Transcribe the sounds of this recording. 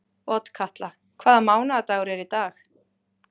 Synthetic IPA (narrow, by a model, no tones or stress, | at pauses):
ɔt̪kʰaht̪la | kʰvaːðamaːwnaat̪aːɣʏɾɛɾit̪aːx